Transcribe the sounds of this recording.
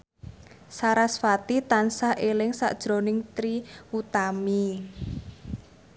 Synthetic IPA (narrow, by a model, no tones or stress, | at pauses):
saɾasfat̪it̪ansahʔelɪŋsa̰ʔd̥ʒ̥ɾo̤nɪŋt̪ɾiut̪ami